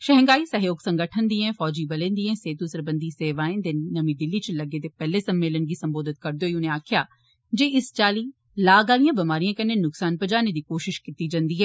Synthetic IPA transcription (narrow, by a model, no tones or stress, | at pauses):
ʃɐɦə̃ŋɡaːisɐɦjoːɡsɐ̃ŋɡəʈʰənd̪iɦɛ̃fɔːd͡ʒibɐlẽnd̪iɦɛ̃seːt̪usəɾbə̃nd̪ʱiseːʋaːẽnd̪ɪnːɐmĩd̪ɪlːit͡ʃlɐɡet̪epɛɦlesɐ̃mːeːlənɡisɐ̃mboːd̪ɪt̪̚kɐɾd̪joːiʊnẽaːkʰjaː | d͡ʒeːɪst͡ʃaːli | laːɡaːlijãbɐmaːɾijãkɐɾnenʊksaːnpɐd͡ʒaːned̪ikoːʃɪʃkɪt̪ːid͡ʒɐ̃nd̪iːɦɛː